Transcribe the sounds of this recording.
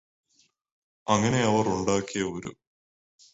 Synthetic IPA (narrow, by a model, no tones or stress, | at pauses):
ɐŋːɐne̞ɐʋɐruɳɖaːkːijɐoɾṵ